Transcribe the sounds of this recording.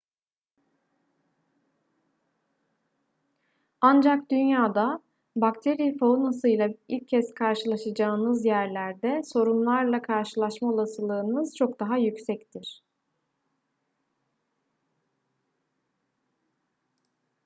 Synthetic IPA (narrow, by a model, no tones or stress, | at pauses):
and͡ʒakd̪ynjaːd̪a | bakt̪ʰeɾiːfaunasɯjlˠailʲcʰːɛskʰaɾʃɯlˠaʃad͡ʒaːnɯzjæɾlʲæɾd̪ɛso̞ɾunlˠaɾlˠakʰaɾʃɯlˠaʃmao̞lˠasɯlˠɯːnɯzt͡ʃʰo̞kd̪aɦajycsɛct̪ʰiɾ̥